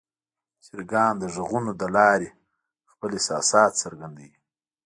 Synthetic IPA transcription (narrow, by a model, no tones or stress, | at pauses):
siɾɡɑːnd̪əʐəɣunod̪əlɑːɾe | xpəlesɑsɑːt̪t͡saɾɡand̪awi